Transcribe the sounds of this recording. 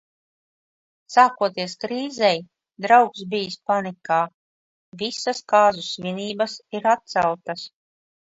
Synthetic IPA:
saːkuɔt̪iɛskɾiːzɛj | d̪ɾawksbiːspanikaː | visaskaːzusvʲiniːbasiɾat̪̚t̪sæwt̪as

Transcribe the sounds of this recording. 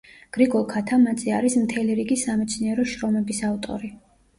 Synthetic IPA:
ɡ̥ɾiɡɔlˠkʰat̪ʰamat̪sʼiaɾismt̪ʰɛliɾiɡisamɛt̪sʰniɛɾɔʃɾɔmɛbisavt̪ʼɔ̰ɾi

